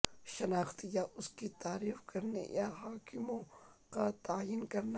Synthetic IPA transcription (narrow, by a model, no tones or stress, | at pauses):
ʃɐnaːxt̪jaʔʊskit̪aːɾiːfkɐɾnḛjaɦaːkɪmõkat̪aːjinkɐɾn